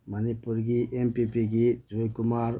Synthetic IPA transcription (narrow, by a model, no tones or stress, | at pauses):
mɐnipːuɾɡiʔempipiɡid͡ʒʋɐjkʊmaːɾ